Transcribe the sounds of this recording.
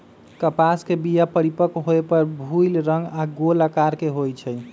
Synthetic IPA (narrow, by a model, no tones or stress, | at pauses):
kəpaskebijapəɾipəkɦoepəɾbʱujlɾəŋɡaɡolakaɾkeɦojt͡ʃʰɛj